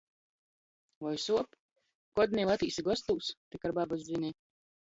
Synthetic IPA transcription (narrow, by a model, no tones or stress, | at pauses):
vɔjsuɔp | kɔd̪ʲnʲɛlˠat̪iːsiɡɔst̪uːst̪ɛkaɾbabazzʲinʲɛ